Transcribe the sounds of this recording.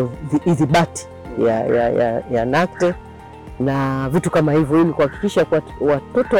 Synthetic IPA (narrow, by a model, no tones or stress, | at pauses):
iiðiɓati̥ | ja̰ja̰ja̰janak̚tɛ | navitukamahivjɔilikuhaki̥kiʃaka | watɔtɔ